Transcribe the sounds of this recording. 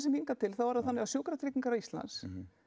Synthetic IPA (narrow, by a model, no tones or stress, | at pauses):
sɛmhiŋkat̪ʰɪlθaðvaɾaðθanːɪɣasjowkɾat̪ʰɾɪːciŋkaɾawist̪la̰ns